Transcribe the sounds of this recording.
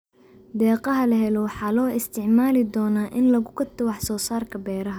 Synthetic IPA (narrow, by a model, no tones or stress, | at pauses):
d̪ɛːqɐɦɐlɐɦɛlɔwɑħɑːlɔːɪst̪ʰɪʕmaːlɪd̪ɔːnaːʔɪnlɐɣʊkʰɔt̪ʰɔwɑħsɔːsaːrkʰɐbɛːɾɐɦɐ